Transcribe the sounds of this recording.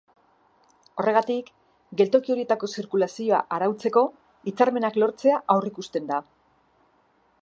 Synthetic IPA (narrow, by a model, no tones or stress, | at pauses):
o̞rʔe̞ɣat̪ik | ɡe̞lt̪o̞kio̞ɾie̞t̪ako̞siɾkulasio̞a̰ʔaɾawt͡se̞ko̞ | it͡saɾme̞naklo̞ɾt͡se̞aʔawrikust̪e̞nd̪a